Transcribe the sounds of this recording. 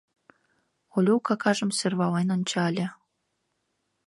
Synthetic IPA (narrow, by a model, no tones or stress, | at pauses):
olʲukɑkɑʒə̆msørβɑlenont͡ɕɑlʲĕ